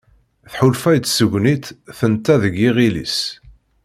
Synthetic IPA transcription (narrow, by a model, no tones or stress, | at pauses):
θħʊlfæjt͡s̪ːsəɡʷːnit̪θənt̪ːæðəɡiʁilḭs